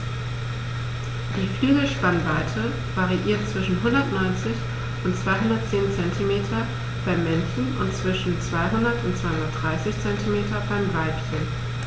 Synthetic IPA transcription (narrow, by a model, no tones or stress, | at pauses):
d̥iːflyːɡl̩ʃpanvaɪtʰə | vaʁiʔiːɐtt͡sv̥ɪʃn̩ɦʊndɐtnɔʏnt͡sɪç | ʊntt͡sv̥aɪɦʊndɐt̚t͡seːnt͡sɛntʰimeːtʰɐ | b̥aɪmːɛnçn̩ʊ̰ntt͡sv̥ɪʃn̩t͡sv̥aɪɦʊndɐtʊntt͡sv̥aɪhʊndɐtd̥ʁaɪsɪçt͡sɛntimeːtɐbaɪmvaɪpçən